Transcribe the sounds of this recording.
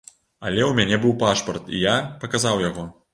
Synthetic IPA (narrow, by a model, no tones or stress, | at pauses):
ɐlʲɛwmʲanʲɛbɨwpaʂpɐrt̪ḭjapɐkazawjaɣɔ